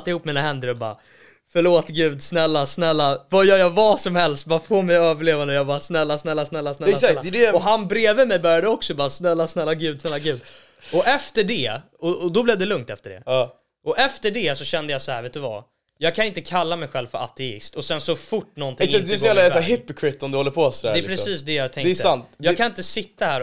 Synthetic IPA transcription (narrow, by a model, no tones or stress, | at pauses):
t̪ːaɪhuːpːmiːnaɦɛnd̪əɾɔbɑ̰ː | fœɭoːt̪ɡʉ̟ːd̪snɛlːasnɛlːavajœːɾjɑvasɔmhɛlst̪̚bɑːfoːɾmɛjœːvəɭeːvand̪əjɑbɑːɾsnɛlːasnɛlːasnɛlːasnɛɛsalːdɛɔɦanbɾeːvəmɛjbœɾjad̪əɔksɔbɑːɾsnɛlːasnɛlːaɡʉ̟ːd̪snɛlːaɡʉ̟ːd̪ | ɔʔɛft̪əɖɛ | ɔɔd̪ɔblɛːvd̪ɛlɵŋt̪ɛft̪əɖɛ̰ɑː | ʔɔʔɛft̪əɖɛsɔɕɛnd̪əjɑːsɔhæːɾveːt̪ʉva̰ | jɑːɡ̚kʰanɪnt̪əkʰalːamɛjɧɛlvfœɾa̰t̪ɛɪ̰st̪ɔsɛnsɔfʊʈːnɔnt̪ʰɪŋd̪ɛs̬ɔjæːvlasɦɪpːɪkʰwɪt̪ːɔmd̪ɔlːəɾpʰɔsd̪ɛpʰɾɛssiːsd̪ɛjɑːɡt̪ʰɛŋd̪ɛɛsant̪jɑːɡkʰanɪnt̪əsɪt̪ːahæːɾ